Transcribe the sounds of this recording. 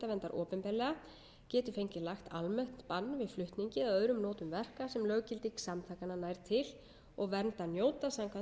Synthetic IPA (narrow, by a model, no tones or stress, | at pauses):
t̪avɛnt̪aɾʔɔːpɛmpɛɾlɛɣa | cɛːt̪ʏ̥fejɲcɪlaxt̪almœht̪npanːvɪðflʏht̪niɲcɪðaœðɾʏmnɔːt̪ʏmvɛr̥kasɛmlœɣcɪlt̪iksamt̪ʰajkananajɾt̪ʰɪl | ɔɣvɛnt̪anjoːwt̪asamkʰva